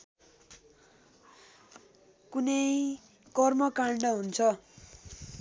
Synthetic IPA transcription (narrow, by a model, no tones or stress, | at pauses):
kunʌj | kʌrmʌkaɳɖʌɦunt͡sʰʌ